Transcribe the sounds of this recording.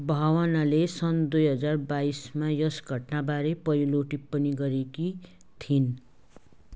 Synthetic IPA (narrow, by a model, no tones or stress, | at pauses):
bʱawʌnalesʌnd̪ujɦʌd͡zarbaismajʌsɡʱʌʈnabaɾepʌɾiloʈipːʌniɡʌɾeki | t̪ʰin